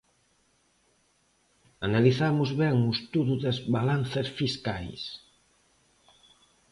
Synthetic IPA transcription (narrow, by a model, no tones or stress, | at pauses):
analiθamuzβɛŋust̪uɾuðezβalanθesfiskajs